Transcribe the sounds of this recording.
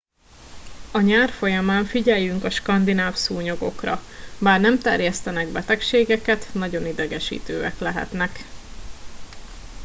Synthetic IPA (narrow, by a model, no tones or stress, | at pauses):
ɒɲaːrfo̞jɒmaːɱfiɟɛjyŋkɒʃkɒnd̪inaːfsuːɲo̞ɡo̞krɒ̰baːrnɛmt̪ɛrjɛst̪ɛnɛɡbɛt̪ɛkʃeːɡɛkɛt̪nɒɟo̞nid̪ɛɡɛʃḭːt̪øːɛklɛɦɛ̰t̪nɛk